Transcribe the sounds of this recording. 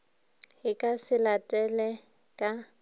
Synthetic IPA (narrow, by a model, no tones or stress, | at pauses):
ɦɪkʼasɪlatʼɛlɛ | kʼa